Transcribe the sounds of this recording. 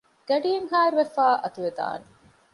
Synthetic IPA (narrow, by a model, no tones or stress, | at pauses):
ɡ̥ɐɖijeŋɦaːɾuʋefaːʔɐt̪uʋed̪a̰ːne